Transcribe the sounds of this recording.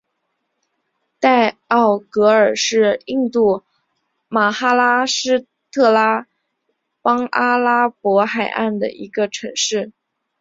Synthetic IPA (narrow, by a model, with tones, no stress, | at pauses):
t̪a˥˧ɪɑ˥˩ʊkɤ˧˥ə˞˨˩ʂɻ̩˥˩i˥˧ŋt̪u˥˩ | ma˨˩xa˥la˥ʂɻ̩˥ | t̪ʰɤ˥˩la˥ | pɑ˥ŋa˥la˥pwɔ˧˥xa˨˩ɪʔa̰˥˩nd̪ə̰˩ʔi˧˥ɡə˧ʈ͡ʂʰɤ˧˥ŋʂɻ̩˥˩